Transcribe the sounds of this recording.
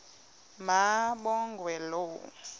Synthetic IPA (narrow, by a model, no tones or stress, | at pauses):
maɓɔŋɡwɛlo